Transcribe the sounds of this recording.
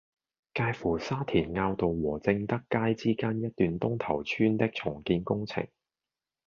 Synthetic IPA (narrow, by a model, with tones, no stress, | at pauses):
kaː˧jfuː˨˩saː˥t̪ʰiː˨˩nŋaː˧wt̪o˨wwɔː˨˩t͡sɪ˧ŋt̪ɐ˥kːaː˥jt͡siː˥kaː˥njɐ˥t̚t̪ːyː˨nt̪ʊ˥ŋt̪ʰɐ˨˩wt͡ʃʰyː˥nt̪ɪ˥k̚t͡sʰʊ˨˩ŋkiː˧nkʊ˥ŋt͡sʰɪ̰˨˩ŋ